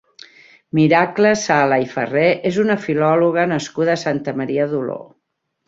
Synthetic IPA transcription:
miɾakləsaləifə̰reʔezunəfilɔluɣ̞ənəskuðəːsant̪əməɾiəðulo̰

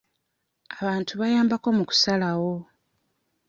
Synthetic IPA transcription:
aβaːntʰuβajaːmbako̞muku̥salawo̞

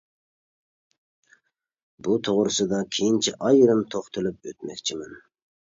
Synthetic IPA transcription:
but̪ʰoʁɾɨsɨd̪ɑkʲʰejint͡ʃʰiʔɑjyɾɪnt̪ʰoχt̪ʰɨlˠyp̚øt̪mɛkʲt͡ʃʰimɪn

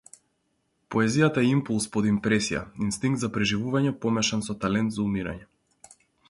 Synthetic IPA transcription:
pɔɛzijat̪aɛimpulˠspɔd̪impɾɛsija̰inst̪iŋɡt̪zapɾɛʒivuvaɲɛpɔmɛʃɛnsɔt̪alɛnt̪zaumiɾa̰ɲɛ

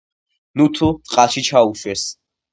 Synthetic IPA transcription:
nut̪ʰut̪sʼqʼaʃit͡ʃʰauʃwɛs

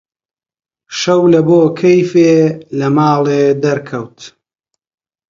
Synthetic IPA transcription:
ʃɐwlɐboːkʰɐjfeːlɐmaːlˠeːd̪ɐɾkʰɐwt̪

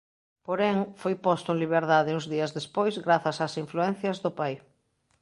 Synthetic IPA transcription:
poɾɛŋfojpɔst̪ʊẽŋliβ̞eɾðaðɪuŋzðiɐzðespojzɣɾaθɐsasiɱfluɛn̟θjɐzðʊpaj

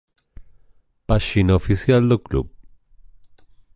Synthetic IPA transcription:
paʃinofisjald̪oklṵb̚

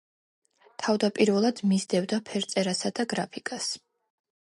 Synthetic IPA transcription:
t̪ʰavd̪apʼiɾvɛlˠad̪mizd̪ɛvd̪apʰɛɾt̪sʼɛɾasad̪aɡɾapʰikʼas

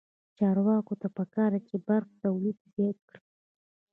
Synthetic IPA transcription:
t͡ʃɑɾwɑkot̪apəkɑɾd̪at͡ʃebaɾxt̪awlid̪zjɑt̪̚kɽi̥

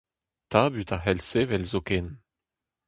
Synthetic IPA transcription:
t̪abyt̪aɦɛlsevɛlzokɛn

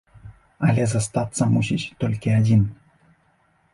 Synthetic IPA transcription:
alʲɛzast̪at̪sɐmus̬ʲit͡ɕʲt̪olʲkʲiad͡zʲin

